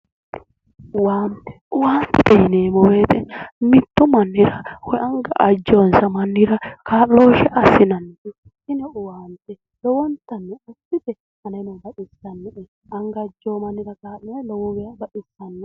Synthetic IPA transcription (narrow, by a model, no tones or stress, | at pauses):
ʊwaːnt̪ɛ̥ʊwaːnt̪ɛd̪ɛjɪneːmɔweːt̪ɛmɪt̪ːɔmɐnːɪɾɐhɔjʔɐŋɡɐʔɐd͡ʒːɔnsɐmɐnːɪɾɐkaːʔːoːʃɛʔɐsɪnɐnːɛʔɛ | sɪnɛʊwaːnt̪ɛ | lɔwɔnt̪ɐnːɛɔsːɪb̪ɛ | hɐnɐjnɔbɐᶑɪsɐnːɛʔɛ | ɐŋɡɐd͡ʒːɔːmɐnːɪɾɐkaːlːɔlɔwɔwɛjɐbɐᶑɪsɐnːɛ